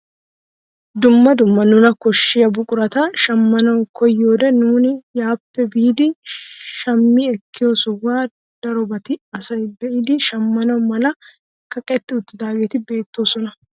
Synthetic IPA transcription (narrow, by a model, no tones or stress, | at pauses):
d̪ʊmːɐd̪ʊmːɐnʊnɐkɔʃːɪjɐbʊkʼʊɾɐt̪ɐʃɐmːɐnɐwkɔjːoːd̪ɛnuːnɪjaːpːɛbiːd̪ɪʃɐmːiːɛkːɪjoːsʊwaː | d̪̥ɐɾɔbɐt̪ɪɐsɐjbɛʔɪd̪ɪʃɐmːɐnɐwmɐlɐ | kɐkʼɛt̪ːɪʊt̪ːɪd̪aːɡeːt̪ɪbe̞ːt̪ːoːsɔnɐ